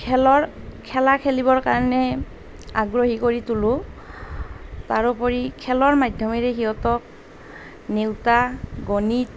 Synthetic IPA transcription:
kʰɛlɔɹkʰɛlakʰelibɔɹkaɹɔnɛ | aɡɹoɦikoɹitulʊ | taɹupɔɹikʰɛlɔɹmajdʱjɔmiɹɛxiɦɔtɔk̚ | newtaɡonit

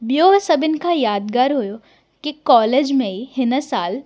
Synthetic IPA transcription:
bjoːsɐbɪnkajaːd̪ɡaːɾɦoːjo | kikɔːleːd͡ʒmẽihɪnəsaːl

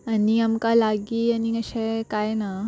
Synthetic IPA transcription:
ɐniɐmkalaːɡiɐniɐɕekajena

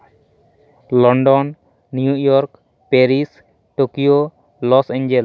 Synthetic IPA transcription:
lɔɳɖɔnː | iujɔɾk | peɾis | ʈokio | lɔsẽɲd͡ʒel

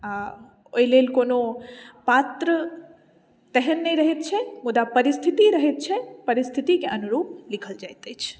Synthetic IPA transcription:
a | ojlelkoːnopaːt̪ɾə | t̪ɛɦənːĩɾɐɦet̪̚t͡ʃʰemʊd̪apɐɾɪst̪ʰɪt̪iɾɐɦet̪̚t͡ʃʰepɐɾɪst̪ʰit̪ikeʔɐnuɾuːp̚lɪkʰəld͡ʒaːjt̪et͡ʃʰ

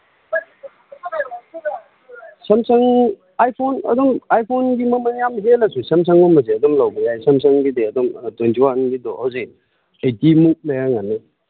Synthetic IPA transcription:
sɐmsɐŋ | ajpʰonɐ̰dɔmajpʰonɡimɐmɐŋjamɦelɐsusɐms̬ɐŋɔmɐzeɐdɔmlawbɐjajsɐms̬ɐŋɡideɐdɔmtojntʰiwanɡidɔ̰hawzi | ejtimuk̚lɐjaŋanːe

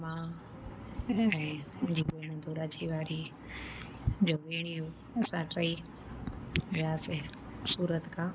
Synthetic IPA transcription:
mãː | ɛ̃ːmʊ̃d͡ʑibeːɽ̃əd̪oɾaːt͡ɕʰiʋaːɾi | d͡ʑoːʋeːɽ̃iu | ɐsãʈɾai | ʋɪaːse | suːɾət̪kʰãː

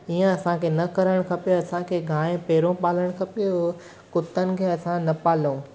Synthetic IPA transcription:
iːə̃ɐsãkʰeːnɐkɐɾəɽ̃kʰɐpijoɐsãkʰeɡʱãːẽpeːɾõpaːləɽ̃kʰɐpijo | kʊt̪ənɪ̆kʰeːɐsãnɐpaːlũː

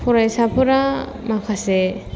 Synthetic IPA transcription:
pʰuɾajsapʰuɾa | makʰase

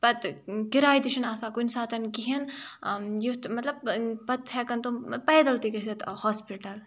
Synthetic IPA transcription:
pɐt̪kiɾaːjd̪iʃɐnaːsaːkunsaːt̪ɐnkiɦin | jit̪mɐt̪lɐb̚pɐt̪hɛkɐnt̪upɐːd̪ɐlt̪ikɐsɐt̪hoːspiʈɐl

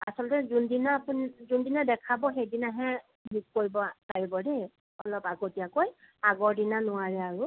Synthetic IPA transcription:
a̰sɔlɔtɛzundinapunzundinadɛkʰabɔxejdinaɦɛ̃ | bikkoɹibɔpaɹibɔde | ɔlɔpaɡotijakoj | aɡɔɹdinanʊwaɹɛaɹʊ

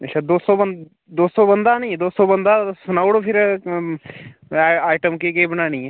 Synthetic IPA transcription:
əʃʰaːd̪oːsoːbə | d̪oːsoːbənd̪aːnəĩd̪oːsoːbənd̪aːsʊnaːʊɽopʰɪɾ | aːɪʈəmkekebənaːniɛː

